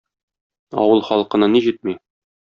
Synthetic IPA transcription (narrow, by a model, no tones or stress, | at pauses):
ɒ̰wɤlˠχɒlˠqɤ̆nɤniʑit̪̚mi